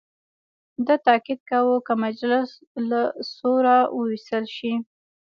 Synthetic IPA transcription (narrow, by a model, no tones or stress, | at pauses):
d̪ət̪ɑkid̪̚kawəkəmad͡ʒlɪs | lasoɾawəwist̪əlʃi